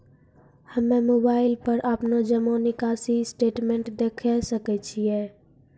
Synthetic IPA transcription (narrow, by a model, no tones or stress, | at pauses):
həmẽmobaːɪlpəɾʔəpnod͡ʒəmonɪkaːsisʈeːʈmẽɳʈd̪ekʰɛsəkɛt͡ʃʰiɛː